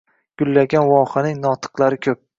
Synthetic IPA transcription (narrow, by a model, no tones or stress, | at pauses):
ɡ̥ʊlːaɡʲanwɒχɨnɪŋnɒt̪ʰɨ̥qlˠaɾɪkʲʰɵp̚